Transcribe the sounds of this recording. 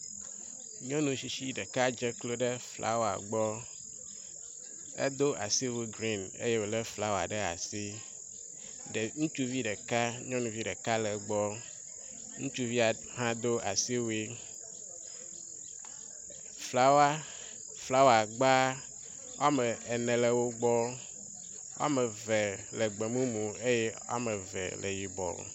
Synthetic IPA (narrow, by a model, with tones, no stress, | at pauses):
ɲɔ̃˦nũ˨si˨ʃi˦ɖɛ˨ka˦d͡ʒe˦klo˦ɖe˦flʔa̰˦wa̰˨ɡ͡bɔ˦ | ḛ˦d̪o˦ʔa̰˨si˦we˦ɡɾi˦˨nḛ˦je˦wo˨le˦fla˦wa̰˨ɖɛ˦a̰˨si˦ | ɖe˨ŋũ˦t͡ʃu˦vi˦ɖɛ˨ka˦ɲɔ̃˦nũ˨vi˦ɖɛ˨ka˦lɛ˨ɡ͡bɔ˦ | ŋũ˦t͡ʃu˦vi˦a˨ | ɦã˦d̪o˦a˨si˦wi˦ | fla˦wa˦ | fla˦wo˦a˨ɡ͡ba˦ | wa˦me˨ɛ˨nɛ̃˨le˨wo˦ɡ͡bɔ˦ | wa̰˦me˨ve˨le˨ɡ͡be˨mũ˦mũ˨e˦je˦a̰˦me˨vɛ̰˨lʔḛ˨ji˨bɔ̰˨